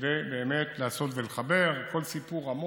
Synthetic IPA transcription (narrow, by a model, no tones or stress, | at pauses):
vebe̞ːme̞t̪laːso̞tveleχabe̞ʁkʰo̞lsipuʁamo